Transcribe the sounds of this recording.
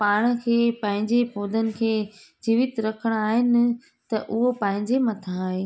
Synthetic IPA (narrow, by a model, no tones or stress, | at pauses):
paːɽ̃ə̆kʰeːpɐ̃ɦɪ̃ɲd͡ʑepʰoːd̪ənɪ̆kʰeːd͡ʑiːʋɪt̪ɾɐkʰəɽ̃aːɦɪnɪ̆ | t̪ɐʔʊɦopɐ̃ɦɪ̃ɲd͡ʑemɐt̪ʰãaːɦeː